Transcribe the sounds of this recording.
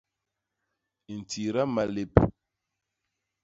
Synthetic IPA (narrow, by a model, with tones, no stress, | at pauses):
i˨n̩˨tʰi˨ɾa˦ma˨le˨p